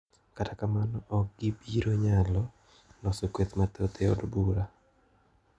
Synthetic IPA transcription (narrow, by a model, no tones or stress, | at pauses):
katakamanɔʔɔk̚ɡ̥ibiɾoɲalɔ | nɔsɔkwet̪mat̪ot̪eɔ̰dbuɾa